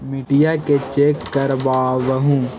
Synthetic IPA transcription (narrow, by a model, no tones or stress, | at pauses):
mɪʈɪjaket͡ʃeːkːɐɾbaːʋəɦũː